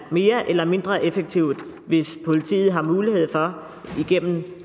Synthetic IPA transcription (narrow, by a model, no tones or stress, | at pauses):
me̝ːɐʔelɐme̝nd̥ʁɐʔefeɡ̥̚t͡sʰiʊ̰d̥ʋe̝spʰo̝lit͡sʰḭːð̩ˠɦɑ̈muːlihe̝ð̞̰ˠfɒ̽ | iɡ̥em̰m̩